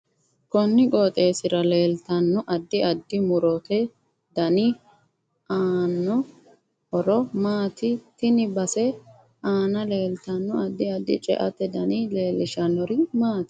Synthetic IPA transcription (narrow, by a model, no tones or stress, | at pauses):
kɔnːɪkʼoːt̪ʼe̞ːsɪɾɐle̞ːlt̪ɐnːɔʔɐd̪ːɪɐd̪ːɪmʊɾɔt̪ɛ | d̪̥ɐnɪ | ʔaːnːɔ | hɔɾɔmaːt̪ɪt̪ɪnɪbɐsɛ | aːnɐle̞ːlt̪ɐnːʊɐd̪ːɪɐd̪ːɪ̰t͡ʃʼɛ̰ʔɐ̰t̪ɛd̪ɐnɪle̞ːlːɪʃɐnːɔɾɪmaːt̪ɪ̥